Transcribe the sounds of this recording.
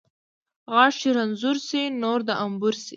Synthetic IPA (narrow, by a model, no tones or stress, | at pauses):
ɣɑʃiɾanzuɾsinoɾd̪aʔambuɾsḭ